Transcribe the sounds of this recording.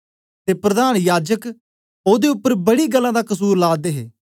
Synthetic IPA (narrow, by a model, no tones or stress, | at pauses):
t̪eːpɾɐd̪aːnjaːd͡ʒək | oːd̪eʊpːəɾbɐɽiɡəlːãːd̪akɐsuːɾlaːd̪eːɦḛː